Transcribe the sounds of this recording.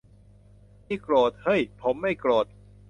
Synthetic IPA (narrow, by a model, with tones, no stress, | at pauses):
iː˥˩kloː˨˩t̪̚hɤ˥˩jpʰo˩˦mːa˥˩jkloː˨˩t̪̚